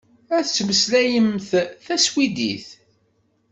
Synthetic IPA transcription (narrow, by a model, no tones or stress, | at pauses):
æθət͡sːməslæjəmθθæswid̪ḭθ